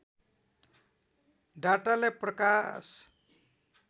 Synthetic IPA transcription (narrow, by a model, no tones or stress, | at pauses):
ɖaʈaleprʌkas